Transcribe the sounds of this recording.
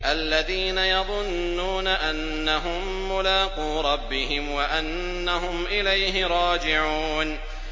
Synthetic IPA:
ʔalːaðiːnajɑðˤʊnːuːnaʔanːaɦʊmːʊlaːquːɾˤɑbːɪhɪmwaʔanː | aɦʊmʔɪlajɦɪɾˤɑːd͡ʒɪʕuːn

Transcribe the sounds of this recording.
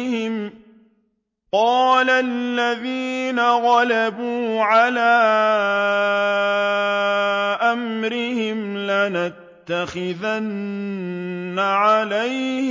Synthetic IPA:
hɪm | qɑːlalːaðiːnaɣaɑlabuːʕalaː | ʔamɾɪhɪmlanat̪ːaxɪðan | aʕalaj

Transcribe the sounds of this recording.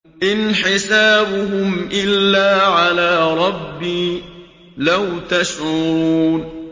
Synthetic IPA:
ʔɪnħɪsaːbʊɦʊmʔɪlːaːʕalaːɾˤɑbːiː | lawt̪aʃʕʊɾuːn

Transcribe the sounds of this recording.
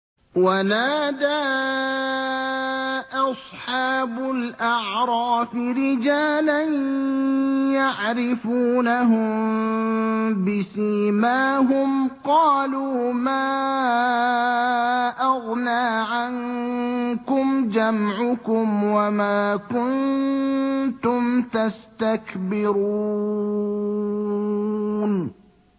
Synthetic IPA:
wanaːd̪aː | ʔɑsˤħɑːbʊlʔaʕɾˤɑːfɪɾɪd͡ʒaːlan | jaʕɾɪfuːnaɦʊm | bɪsiːmaːɦʊmqɑːluːmaː | ʔɑɣnaːʕan | kʊmd͡ʒamʕʊkʊmwamaːkʊn | t̪ʊmt̪ast̪akbɪɾu | n

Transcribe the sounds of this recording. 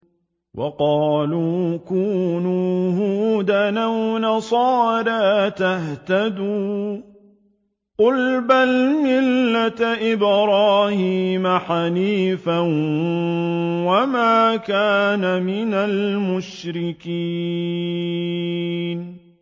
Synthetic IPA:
wʔɑqɑːluːkuːnuːhuːd̪anawnɑsˤɑːɾaːt̪aht̪ad̪uː | qʊlbalmɪlːat̪ʔɪbɾˤɑːhiːmaħaniːfan | wamaːkaːnamɪnalmʊʃɾɪkiː | n

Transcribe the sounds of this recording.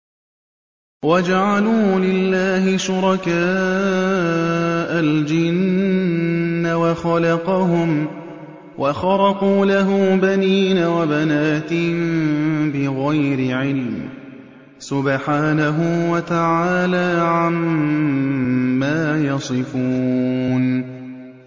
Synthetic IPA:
wad͡ʒaʕaluːlɪlːaːhɪʃʊɾˤɑkaː | ʔald͡ʒɪn | awaxɑlɑqɑhʊm | wʔaxɑɾɑquːlaɦʊmːbaniːnawabanaːt̪ɪhɪmmbɪɣajɾɪʕɪlː | sʊbħaːnaɦʊwat̪aʕaaːlaːʕam | aːjɑsˤɨfuːn

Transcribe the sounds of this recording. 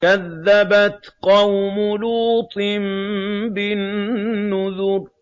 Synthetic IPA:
kaðːabat̪qɑwmʊluːt̪ˤɨnbɪnːʊðʊɾ

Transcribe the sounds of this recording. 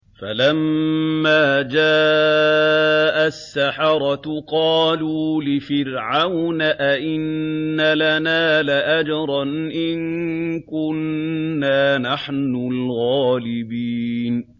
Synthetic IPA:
fa̰lamːaːd͡ʒaː | ʔasːaħɑɾˤɑt̪qɑːluːlɪfɪɾʕawnaʔaʔɪnːalanaːlaʔad͡ʒɑɾˤɑnʔɪnkʊnːaːnaħnʊlɣaːlɪbiːn

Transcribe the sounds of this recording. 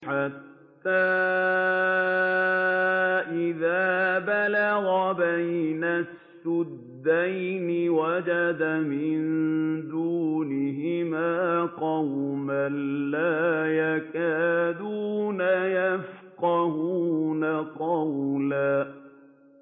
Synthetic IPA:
ħat̪ːaː | ʔɪðaːbalaɣabajnasːʊd̪ːajnɪwad͡ʒad̪amɪnd̪uːnɪɦɪmaːqɑwmanlaːjakaːd̪uːnajafqɑhuːnaqɑwlaː

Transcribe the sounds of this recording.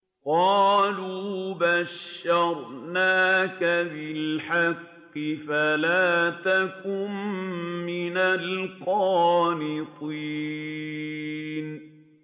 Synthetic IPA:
qɑːluːbaʃːɑɾˤnaːkabɪlħɑqːɪfalaːt̪akʊmː | ɪnalqɑːnɪt̪ˤiː | n

